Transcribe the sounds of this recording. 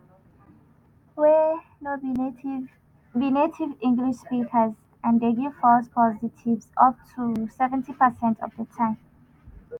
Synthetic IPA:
wɛ | no | binetʰivĩŋɡliʃspikʰəz | ãndeɡiv̥fɔspʰɔzitʰivzɔp̚tʰusɛvɛ̃ntipəsɛ̃ntʰɔ̰vdətʰãɪ̃m

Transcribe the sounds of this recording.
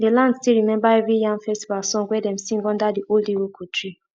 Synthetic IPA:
delãndstilɹimɛ̃mbaɛvɹijãnfɛstivalsɔ̃ŋwɛdɛ̃msĩŋɡɔ̃ndadiʔoldiwokʰɔtʰɹi

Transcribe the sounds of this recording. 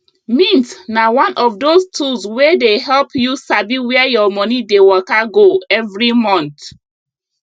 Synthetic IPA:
mĩntnawɔ̃nʔɔvdostʰuzwedeɦɛlpjusabiwɛɛjɔmɔnidewɔkaɡoɛvɹimɔ̃nt

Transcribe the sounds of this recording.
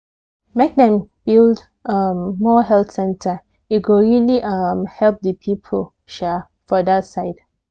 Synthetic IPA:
mek̚dɛ̃mb̥ild | ʌmːɔɦɛlθsɛ̃ntʰə | iɡoɹiliʔʌmhɛlp̚dəpʰipʰəl | ʃa | fɔdasaɪd̥

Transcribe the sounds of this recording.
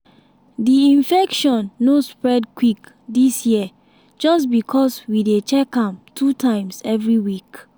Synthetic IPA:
diĩnfɛkʃɔ̃nːospɹɛdkwik | disji | d͡ʒɔstbikʰɔswidet͡ʃɛkãmtʰutʰãɪ̃msɛvɹiwik

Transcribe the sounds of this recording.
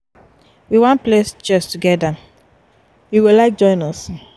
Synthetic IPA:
wiwɔ̃nplesd͡ʒɛstuɡɛdãn | wiwilaɪk̚d͡ʒɔ̃ɪ̃nɔs

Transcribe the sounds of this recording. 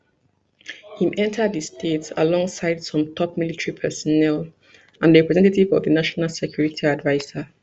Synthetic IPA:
hĩmʔɛ̃ntʰədðəstʰetsa̰lɔ̃ŋsaɪd̥sɔ̃mtʰɔp̚militɹipʰɛsɔnɛl | ãnəɹɛpɹɛzɛ̃ntativɔ̰vðənaʃɔnalˠsɛkʰj̥uɹitʰiadvaɪzə

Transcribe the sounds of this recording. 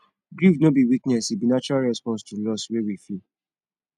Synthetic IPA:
ɡɾifnobiwiknɛsibinat͡ʃɔɾalɹɛspɔ̃nstulɔswewifi

